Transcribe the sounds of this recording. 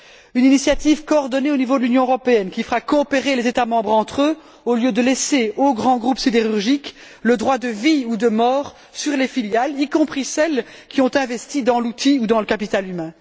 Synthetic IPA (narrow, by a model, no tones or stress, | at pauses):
yninisjat̪ivkoːʁd̪ɔneonivod̪əlynjɔ̃øʁɔpeɛnkʲifəʁakɔːpeʁelezet̪amɑ̃bʁɑ̃t̪χø | oljød̪əlɛseoɡʁɑ̃ɡʁupsid̪eʁyʁʒik | ləd̪ʁwad̪əviud̪əmɔːʁ | syʁlefiljalikɔ̃pχisɛlkʲiɔ̃t̪ɛ̃vɛst̪id̪ɑ̃lut̪iud̪ɑ̃ləkapit̪alymɛ̃